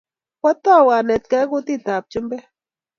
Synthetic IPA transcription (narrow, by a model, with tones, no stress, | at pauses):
kɔ˦t̪ɔ˦˨wa˨nɛ˨t̪̚kɛ˦ku˦t̪i˦˨t̪a˨p̚t͡ʃu˦mbɛ˦